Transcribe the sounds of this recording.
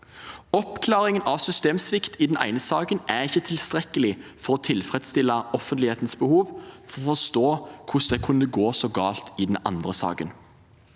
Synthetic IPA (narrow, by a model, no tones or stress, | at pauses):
ɔpkʰlɑːɾɪŋənʔɑʋsʏst̪eːmsʋɪkt̪ʰɪd̪ɛnæ̰ɪnəsɑːkənʔæʁɪçːət̪ʰɪlst̪ʁɛkːəlɪfɔɾɔt̪ʰɪlfʁɛd̪st̪ɪlːəɔfənt̪lɪheːt̪nsbəhuːʋfɔʁɔfɔst̪oːkʰʊsd̪ɛkʰʉnəɡoːsɔɡɑ̰ːlt̪ɪd̪ɛn̩ɑ̰nd̪ʁəsɑ̰ːkə̰n